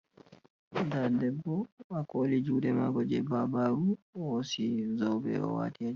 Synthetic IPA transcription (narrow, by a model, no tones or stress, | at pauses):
dadɛbːɔakʰoːlid͡ʒuːdɛmaɡɔd͡ʒɛbabaɾuwsizɔwbɛ̰ɔ̰wa̰ːtiad͡ʒ